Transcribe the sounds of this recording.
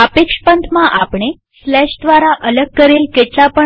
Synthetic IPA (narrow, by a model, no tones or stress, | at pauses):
əpekʂpənt̪ʰmãʔapɳe | slɛʃd̪ʋaɾaʔələɡ̚kəɾelkeʈlapə